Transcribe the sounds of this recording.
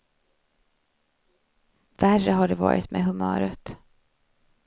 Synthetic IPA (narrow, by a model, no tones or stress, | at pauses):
værəɦaɖɛvɑ̰ːɾʔɪt̪mʔeɦɵmœːɾət̪